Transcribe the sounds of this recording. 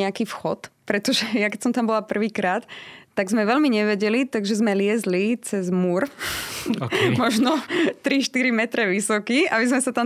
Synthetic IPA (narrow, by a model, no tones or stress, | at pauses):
ɛakiːfxɔt̪pɾɛt̪ɔʒɛjakɛcsɔmt̪ambɔlapr̩ʋiːkɾaːt̪ːaɡzmɛʋɛlmiɲɛʋɛɟɛlit̪aɡʒɛzmɛlɪɛzlit͡sɛzmuɾ | mɔʒnɔt̪ɾiʃt̪iɾimɛt̪ɾɛʋisɔkiːabizmɛsat̪am